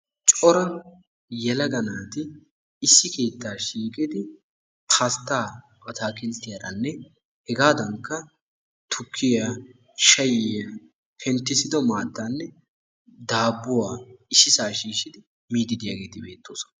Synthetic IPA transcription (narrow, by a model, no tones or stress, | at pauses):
t͡ʃʼɔɾɐ | jɛlɐɡɐnaːt̪ɪ | ɪsːɪke̞ːt̪ːaːʃiːkʼɪd̪ɪ | tʰast̪ːaː | pʼɐt̪aːkʼɪnt̪ːɪjɐɾɐnːɛ | hɛɡaːd̪ɐŋkːɐ | t̪ʰʊkʰːɪja | ʃɐjɪjɐ | hʰɛnt̪ːɪsɪd̪ɔmaːt̪ːaːnːɛ | d̪aːbːʊwaːɪsːɪsaːʃiːʃɪd̪ɪ | miːd̪ɪd̪ɪjaɡe̞ːt̪ɪbe̞ːt̪ːoːsɔ̥n